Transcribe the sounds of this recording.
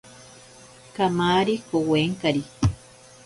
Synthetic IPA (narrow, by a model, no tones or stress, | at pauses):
kamaːɾikoweːŋkaɾi